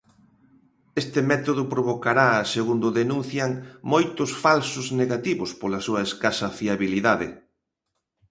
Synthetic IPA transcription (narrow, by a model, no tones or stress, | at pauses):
est̪ɪmɛt̪oðʊpɾoβokaɾaːseɣund̪ʊðenũn̟θjaŋmojt̪ʊsfalsʊzneɣat̪iβʊspolasuɐeskasɐfiaβiliðaðḛ